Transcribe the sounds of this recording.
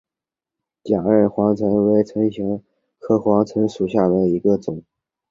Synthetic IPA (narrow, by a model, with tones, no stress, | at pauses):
t͡ɕja˨˩ə˞˥˩xwɑ˧˥ŋt͡sʰɤ˧˥nwe˧˥ɪt͡sʰɤ˧˥ŋɕi˧˥ŋ | kʰɤ˥˩xwɑ˧˥ŋt͡sʰɤ˧˥ŋʂu˨˩ɕ̬ja˥˩d̪ə˩i˧˥ɡə˧t͡sʊ˨˩˦ŋ